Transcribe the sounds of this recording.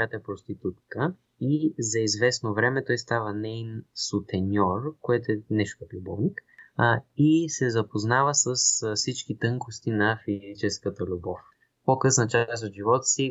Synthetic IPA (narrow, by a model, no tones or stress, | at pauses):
jat̪oɛpɾost̪it̪ut̪kə | izɐizvɛsnovɾɛmɛt̪ɔjst̪avənɛinsʊt̪ɛnʲɔrkoɛt̪oɛnɛʃt̪kək̪lʲubɔvnik | isɛzɐpoznavəsəsfsit͡ʃk̟it̪ɤŋkost̪inɐfizit͡ʃɛskət̪əlʲubɔf | pokɤsnət͡ʃast̪ot̪ʒivɔt̪ə̥si